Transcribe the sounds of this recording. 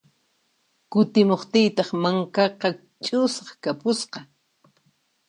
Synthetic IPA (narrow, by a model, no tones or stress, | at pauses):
kʊt̪ɪmoχt̪ɪjt̪ɑχmaŋkɑqɑ | t͡ʃʼʊsɑχkapʊsqɑ